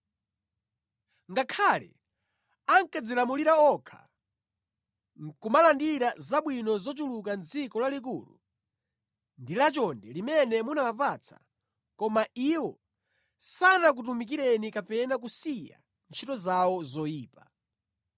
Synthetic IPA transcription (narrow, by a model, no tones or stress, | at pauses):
ŋɡakʰalɛ̰ | aŋkad͡zilamuliɾaɔkʰḁ̰ | ŋkumalandiɾazaɓwinɔzɔt͡ʃulukand͡zikɔlalik̬ṵːlṵ | ndilat͡ʃɔndɛlimɛnɛmunawapat͡sʰḁ̰ | kɔmaiwɔ | sanak̬ut̬umik̬iɾɛnikapɛnak̬usija̰ | nt͡ʃʰitɔzawɔzɔjiːpa